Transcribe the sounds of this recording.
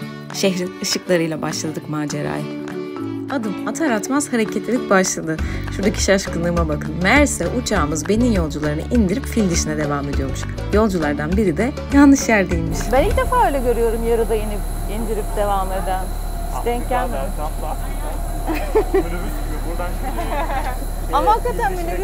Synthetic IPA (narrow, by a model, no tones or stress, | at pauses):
ʃeɦɾinɯʃɯklˠaɾɯjlˠabaʃlˠad̪ɯkmaːd͡ʒeɾa̰j | ad̪ɯmat̪ʰaɾat̪maz̥haɾecʰet̪ʰlʲilʲic̚baʃlˠad̪ɯʃuɾd̪acʰi̥ʃaʃkɯnɯːmabakʰɯnmæɾsɛʔut͡ʃʰaːmɯzbe̞ninjo̞lˠd͡ʒulˠaɾɯnɯʔind̪iɾipfilʲmd̪iʃinɛd̪e̞vaːme̞d̪ijomuʃ | jo̞lˠd͡ʒulˠaɾd̪anbiɾid̪ɛ | janːɯʃjæɾd̪ilʲmiʃbænilcd̪e̞faːø̞ːlʲɛɟø̞ɾyjo̞ɾumjaɾɯd̪ainip | ind̪iɾip̚d̪e̞vamlˠaɾd̪an | ʃd̪ɛɲcæn | a | amaɦakːat̪ʰænbeni